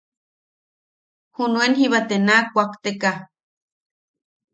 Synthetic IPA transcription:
hunuenhiβat̪enakʷakt̪eka

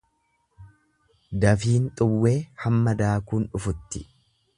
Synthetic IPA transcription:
d̪ɐfiːnt̪ʼʊwːe̞ːhɐmːɐd̪aːkuːnᶑʊfʊt̪ːɪ

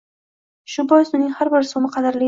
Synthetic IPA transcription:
ʃʊbɒjɪsʊnɪŋʲhaɾbɪɾsomɪqʰɑd̪ɪɾlɪ

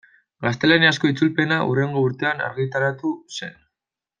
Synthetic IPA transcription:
ɡast̪e̞laniasko̞it͡sulpe̞naʔure̞ŋɡo̞uɾt̪e̞ana̰ɾɣit̪aɾat̪use̞n

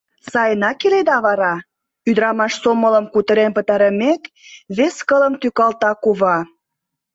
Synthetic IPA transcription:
sɑjənɑkeled̪ɑβɑɾɑ | yd̪əɾɑmɑʃsomələmkut̪əɾenpə̆t̪ɑɾəmek̪ | βeskələmt̪ykɑlt̪ɑkuβɑ

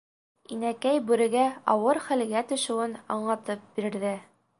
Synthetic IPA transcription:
inækæjbʉ̆ɾɘ̆ɡæɑwɤɾχæl̆ɡæt̪ɵ̆ʃɘ̆wɘnɑ̰ɴlˠɑt̪ɤp̚b̥iɾɘ̆ɾðɘ

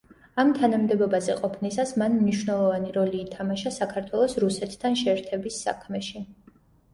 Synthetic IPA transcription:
amt̪ʰanamd̪ɛbɔbazɛqʼɔpʰnisasmanmniʃwnɛlˠɔvaniɾɔliːt̪ʰamaʃasakʰaɾt̪ʰwɛlˠɔsɾusɛt̪ʰːanʃɛɾt̪ʰɛbisːa̰kʰmɛʃi

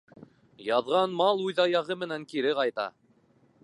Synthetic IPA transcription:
jɑðʁɑnmɑlˠʉðɑjɑʁɤmɘ̆næŋkiɾɘqɑjt̪ɑ̰

